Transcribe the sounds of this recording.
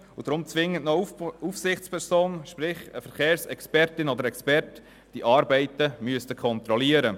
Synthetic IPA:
ʊd̥̪ɾʊmt͡sʋɪŋːətnɔufsɪχt͡spʰɛɾsoːnʃpɾɪχəfəɾχeːɾsɛkspɛɾtɪnɔd̪əɾɛkspɛɾt | d̥iʔɑːɾbɛɪtəmyəstəkʰɔnt̪ɾɔliəɾə

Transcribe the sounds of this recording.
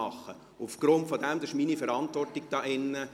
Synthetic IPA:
ɑχːə | ufɡ̥ɾʊntfɔd̪ɛmd̪əʃminifɛɾɑntʋɔrtɪɡ̥̚d̥ɑːʔɪnːə

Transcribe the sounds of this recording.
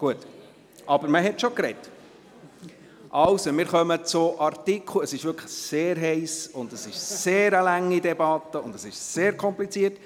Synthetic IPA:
ɡ̥uət | ʔɑbəɾməɦɛtʃokɾɛt | ʔɑwsomɪːɾχœmət͡sʊʔɑɾtikʰləəsɪʃʋʏɾkʰlə̥seːɾɦɛɪsʊndəsɪʃseːɾəlæŋːidɛbɑt̪ːəʊndəsɪʃseːɾkʰɔmplit͡siət

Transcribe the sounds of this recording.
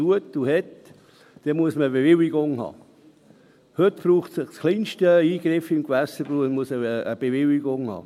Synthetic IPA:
uətuhɛt | d̥ɛmuəsməəbevɪliɡʊŋɦɑ̰ː | høtb̥ruːχtsɪχskʰliːnʃtəiːɡ̥ɾɪfɪmkvæsəbunmuəsəəb̥evɪliɡʊŋhɑ̰ː

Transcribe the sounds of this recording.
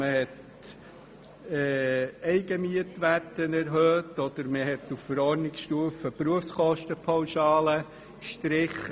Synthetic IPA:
məhɛt | ɛːɛɪɡ̥əmyətʋætənɛɾɦøːt̪ɔd̥̪əɾməɦɛtuffəɾɔɾnɪkʃtuəfəpɾuəfskɔʃtəpʰawʃɑːlə | kʃtɾɪχə

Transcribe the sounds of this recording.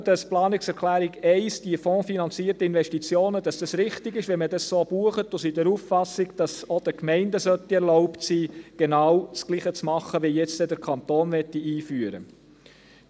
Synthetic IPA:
d̥ɑsplɑːnɪksɛɾklæːɾiɡɛɪsd̥iəfɔ̃ːfinɑnt͡siːəɾtəɪnʋɛʃtit͡sjoːnəd̥ɑsd̥ɑsɾɪχtɪɡɪʃvʋɛmədɑssoːb̥uəχətʊsid̥ɛɾuːffɑsiɡd̥ɑsod̥əkmɛɪndəsœt̪ːiɛɾlɔʊptsiːɡ̥enɑːwt͡skliːχət͡smɑχːəʋijɛt͡st̪ɛd̥əɾkʰɑnt̪oːnʋɛtːiiːfyəɾə̰

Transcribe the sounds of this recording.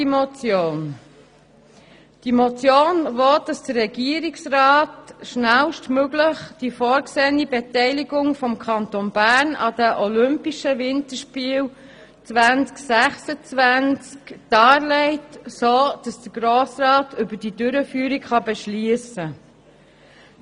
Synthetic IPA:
imɔt͡sjoːn | d̥imɔt͡sjoːnʋod̥ɑsd̥əɾːɛɡiəɾiksrɑːtʃnælʃtmøɡləχd̥ifɔːɾkseːənibɛtɛɪliɡʊŋfɔmkʰɑntonbæːɾnɑd̥əʔɔlʏmpiʃəvɪntəʃpiːl | t͡sʋænt͡sksæχsət͡svænt͡skd̥ɑːɾlɛɪtsoːd̥ɑsd̥əɡɾoːsrɑːtʏbəd̥idʏɾəfyːɾikχɑbɛʃliəsə

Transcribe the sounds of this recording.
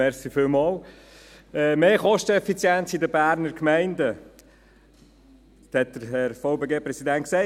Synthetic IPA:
ɛɾsifɪːlmɑːl | ɛmeːχɔʃtəɛfit͡sjɛnt͡sidəbæːɾnəɾkmɛɪndə | hɛt̚d̥̪əɾɦɛɾfɑʊbeːɡeːpɾɛsidɛntksɛɪ

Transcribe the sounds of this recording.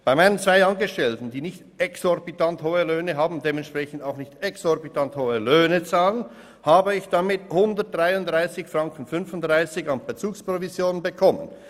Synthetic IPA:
b̥aɪmaɪnənt͡sv̥aɪɑnɡəʃtɛltn̩diːnɪçt | ɛksɔɾbitʰanthoːəløːnəɦaːbm̩deːmɛntʃpʁ̥ɛçn̩daʊxnɪçtɛksɔʁbitʰanthoːəløːnət͡saːlən | haːbəɪçd̥amɪthʊndət̚d̥ʁaɪʊndʁaɪsɪçfrɑŋkn̩fʏnfʊnd̥ʁaɪsɪçɑnb̥ət͡suːkspr̥ovizjoːnənbəkʰɔmə̰n

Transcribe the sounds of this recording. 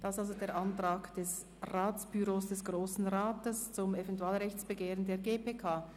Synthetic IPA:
d̥aɪsalzodeːɐʁʔantʁ̥aːkd̥ɛs | raːt͡sb̥yʁoːsd̥ɛsɡ̥ʁoːsn̩ʁaːtəst͡sʊmɛvɛntuaːlʁɛçt͡sb̥əɡeːʁəndeːɐɡeːpeːkʰaː

